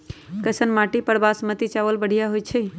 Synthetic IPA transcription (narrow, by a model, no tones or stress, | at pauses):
kəjsənmaʈipəɽbasmət̪it͡ʃaʋəlbəɽ̤ijaɦojt͡ʃʰɛ